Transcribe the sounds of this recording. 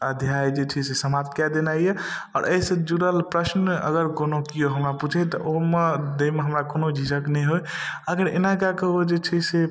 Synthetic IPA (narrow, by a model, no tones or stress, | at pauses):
əd̪ʱjajd͡ʒet͡ʃʰisesəmat̪̚kad̪enaieɔ̰ːɾʔəisə̃d͡ʒuɾəlpɾəsnə̰ɡəɾkonokijoɦəmɾaput͡ʃʰet̪ɔʔoɦmed̪eimeɦəmɾakonod͡ʒʱisəknɛjɦojəɡəɾḛnakakəɦod͡ʒet͡ʃʰise